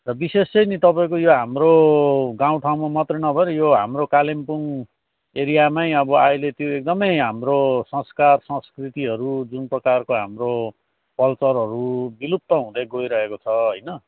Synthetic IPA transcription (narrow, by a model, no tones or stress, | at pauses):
rʌbisesʌjnit̪ʌpaĩkojoɦamroɡaw̃ʈʰaw̃mamʌt̪rʌnʌbʱʌeɾʌjoɦamrokalimpuŋ | eɾijamajʌbʌajlet̪joek̚d̪ʌmʌjɦamrosʌ̃skarsʌ̃skrit̪iɦʌɾud͡zunprʌkarkoɦamro | pʌlt͡sʌɾɦʌɾubilup̚t̪ːʌɦũd̪ʌjɡojɾʌɦekot͡sʰʌɦʌjnʌ